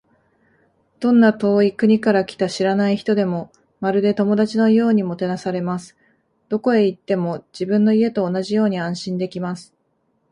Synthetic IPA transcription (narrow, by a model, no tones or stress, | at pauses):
d̪̥õ̞nːat̪o̞ːikɯ̟ɲ̟ikaɾakʲi̥t̪aɕiɾanaiçi̥t̪o̞d̪e̞mo̞ | maɾɯ̟d̪e̞t̪o̞mo̞d̪at͡ɕino̞jo̞ːɲ̟imo̞t̪e̞nasaɾe̞masɨ̥ | d̪̥o̞ko̞e̞it̪ːe̞mo̞d͡ʑibɯ̟̃nːo̞ie̞t̪o̞ːnaʑijo̞ːɲ̟iãɰ̃ɕĩnd̪e̞kʲimasɨ̥